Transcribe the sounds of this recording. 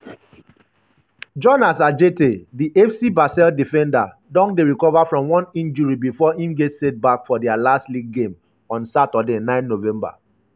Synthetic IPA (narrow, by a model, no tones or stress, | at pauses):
d͡ʒɔnasad͡ʒetediʔɛfsibasɛldifɛ̃nda | dɔ̃ŋ̚deɹikɔvafɹɔ̃mwɔ̃nĩnd͡ʒuɹibifɔĩmɡetset̚bakfɔdɛalastliɡːẽm | ɔ̃nsatɔdenãɪ̃nnovɛ̃mba̰